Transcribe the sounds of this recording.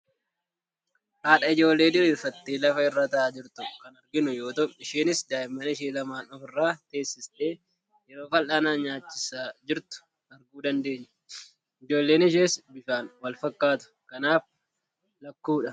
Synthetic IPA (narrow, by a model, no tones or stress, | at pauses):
haːᶑɐɪd͡ʒo̞ːlːe̞ːd̪ɪɾfɐt̪ːeːlɐfɐɪrːaːt̪ɐʔaːd͡ʒɪɾt̪ʊkɐnɐɾɡɪnʊjo̞ːt̪ɔʔɪʃeːnɪsd̪aːjɪmːɐnɪʃeːlɐmaːnɔfɪrːaːt̪e̞ːsːɪst̪e̞ː | jɛɾo̞ːfɐlʔaːnaːɲaːt͡ʃːɪsaːd͡ʒɪɾt̪ʊ̥ | ɐɾɡuːd̪ɐnd̪e̞ːɲːɐ̥ | ɪd͡ʒo̞ːlːeːnɪʃ̬eːsbɪʃaːnwɐlfɐkːaːt̪ʊ̥kɐnaːf | lɐkːuːᶑɐ